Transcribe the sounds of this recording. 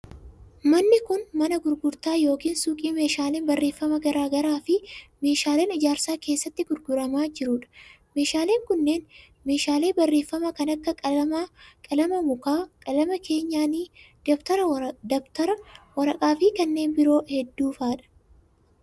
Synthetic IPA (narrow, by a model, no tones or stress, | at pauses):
mɐnːɪkʊnmɐnɐɡʊɾɡʊɾt̪aːjo̞ːkiːnsuːkʼiːme̞ːʃaːleːnbɐrːe̞ːfːɐmɐɡɐɾaːɡɐɾaːfɪme̞ːʃaːle̞ːnɪd͡ʒaːɾsaːke̞ːsːɐt̪ːɪɡʊɾɡʊɾɐmaːd͡ʒɪɾʊːᶑɐ̥ | me̞ːʃaːle̞ːŋkʊnːe̞ːn | me̞ːʃaːle̞ːbɐrːe̞ːfːɐmɐkɐnɐkːɐmkʼɐlɐmɐmʊkaːkʼɐlɐmɐkʰe̞ːɲːaːniːd̪̥ɐbt̪ɐɾɐd̪ɐbt̪ɐɾɐwɐɾɐkʼaːfɪkɐnːe̞ːnbɪɾo̞ːhɛd̪ːuːfaːᶑɐ̥